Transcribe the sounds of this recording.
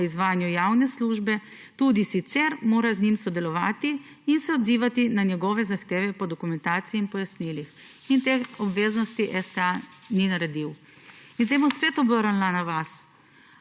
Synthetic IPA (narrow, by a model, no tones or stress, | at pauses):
izʋaːnjujawnɛsluːʒbɛ | t̪ud̪isit̪sɛɾmoːɾaznimsɔd̪ɛlɔʋaːt̪iː | nsɛɔd̪ziʋat̪inanjɛɡɔʋɛzaxt̪eːʋɛpɔd̪ɔkumɛnt̪aːt̪siiːnpɔjasnilix | int̪eɔbʋeːznɔst̪iʔɛst̪ɛaninaɾɛd̪iw | int̪eːmuspeːt̪ɔbɔɾanlanaʋas